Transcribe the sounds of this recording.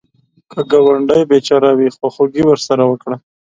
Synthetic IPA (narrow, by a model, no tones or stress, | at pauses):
kəɡawaɳɖajbet͡ʃɑɾawixwaxoɡiwəɾsaɾawəkɽa